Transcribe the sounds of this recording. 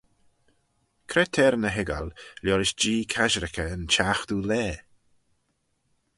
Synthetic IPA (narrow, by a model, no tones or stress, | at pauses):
kʰɾɛt̪ʰɛːɾənəɦɪɡa̰lljɔːɾɪʃd͡ʒiːkʰaʒɾɪkʰəːnt͡ʃaːxd̪uːlɛː